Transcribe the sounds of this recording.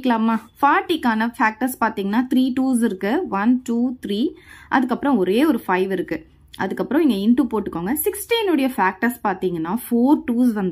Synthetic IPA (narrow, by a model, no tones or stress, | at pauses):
kːɐlaːmaːfaːɾʈːikaːnɐfaːk̚ʈɐɾspaːɾt̪iːŋɡɐnːaːt̪ɪɾiːʈuːsɪɾɯkːɯʋɐnʈuːt̪ɾiːʔɐ̰ðɯkːɐpːɯɾɔ̃ɔɾeːɔɾɯfɐɪʋɪɾɯkːɯ | ʔɐ̰ðɯkːɐpːɯɾɔ̃ɪŋɡɐɪɳʈupoːʈːɯkːoːŋɡɐsɪksʈinɯɽɐjɐfaːk̚ʈɐɾspaːɾt̪iːŋɡɐnːaːfoːɾʈuːsʋɐnd̪